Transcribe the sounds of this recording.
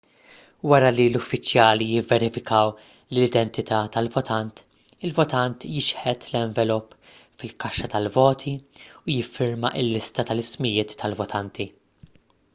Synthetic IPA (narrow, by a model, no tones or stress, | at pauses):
wɐɾɐlilʊfːɪt͡ʃːjɐːlijɪvːɛɾɪfɪkɐw | lɪd̪ɛnt̪ɪt̪ʰɐːt̪ɐlvɔt̪ɐnt̪ | ɪlvɔt̪ɐnt̪jɪʃħɛt̪lɛɱvɛlupːfɪlkɐʃːɐt̪ɐlvɔːt̪ʰiʊjɪfːɪɾmɐʔɪlːɪst̪ɐt̪ɐlɪsmɪjɪːt̪ʰːɐlvɔt̪ʰɐnt̪i